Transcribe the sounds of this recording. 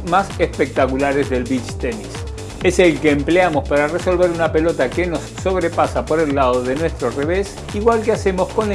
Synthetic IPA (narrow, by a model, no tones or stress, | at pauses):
masespek̚t̪akulaɾezðe̞lβit͡ʃt̪enis | e̞selkeːmpleamo̞spaɾareso̞lβe̞ɾunape̞lo̞t̪akeno̞sːo̞β̞ɾepasapo̞ɾe̞lːað̞o̞ðe̞nwest̪ɾo̞re̞βe̞s | iɣwalkease̞mo̞sko̞n